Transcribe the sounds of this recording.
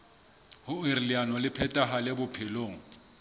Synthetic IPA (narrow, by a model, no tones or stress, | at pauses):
hʊirlianɔlɪpʰɛtʼaɦalɪbʊpʰɪloːŋ̩